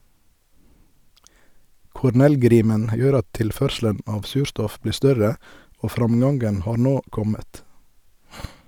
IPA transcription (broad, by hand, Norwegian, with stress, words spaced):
kʊɾˈnɛlˌɡɾiːmən ˈjøːɾ ˈɑt ˈtɪlˌfœɾʃl̩ən ˈɑːʋ ˈsʉːɾˌstɔf ˈbliː ˈstœɾə ˈoː ˈfɾɑmˌɡɑŋɡən ˈhɑːɾ ˈnoː ˈkɔmət